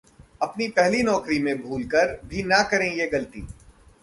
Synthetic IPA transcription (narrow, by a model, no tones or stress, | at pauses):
ɐpnipɛɦlinɔːkɾimẽbʱuːlkɐɾbʱinɐkɐɾẽjeɡɐlt̪ḭː